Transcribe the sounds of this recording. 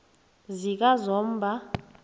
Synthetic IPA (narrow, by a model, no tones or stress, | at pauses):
zik̬ʼazɔːm̩bʱa